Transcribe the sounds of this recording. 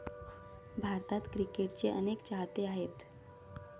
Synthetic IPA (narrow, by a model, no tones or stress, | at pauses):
bʱaɾt̪at̪kɾikeʈ̚t͡ɕeʔənekt͡ɕaɦt̪eaɦet̪